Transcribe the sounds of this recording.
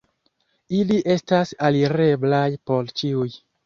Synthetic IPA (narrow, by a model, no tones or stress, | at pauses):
iliʔe̞stasaliɾe̞blajpo̞ɾt͡ʃiuj